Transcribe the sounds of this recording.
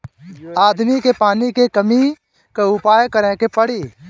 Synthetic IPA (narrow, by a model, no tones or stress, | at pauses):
aːd̪mikeːpaːnikekəmiː | keʊpaːjkəɾɛ̃ːkepəɽiː